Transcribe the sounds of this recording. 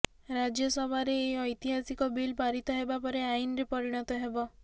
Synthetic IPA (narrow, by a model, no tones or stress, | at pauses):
ɾad͡ʒjɔsɔbʱaɾeːɔjt̪iɦasikɔbilpaɾit̪ɔɦebapɔɾeainɔɾepɔɾiɽ̃ɔt̪ɔɦebɔ